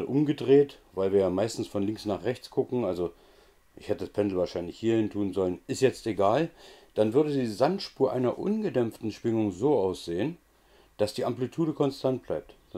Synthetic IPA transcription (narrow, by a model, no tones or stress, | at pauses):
lʔʊmɡədʁeːtv̥aɪlviːɐjaːmaɪstn̩sfɔnlɪŋsnaːχʁɛçt͡sɡ̥ʊkŋ̩ʔalzo | ʔɪçhɛtədaspʰɛndl̩vaːɐʃaɪnlɪçhiːɐhɪntʰuːnzɔlənɪstjɛt͡steɡaːld̥anvʏɐdədiːzantʃpuːɐʔaɪnɐʔʊ̰nɡədɛmftn̩ʃv̥ɪŋʊŋzoːʔaʊsz̥eːən | d̥asd̥iːʔamplitʰuːɾəkʰɔnstʰant̚b̥laɪp̚t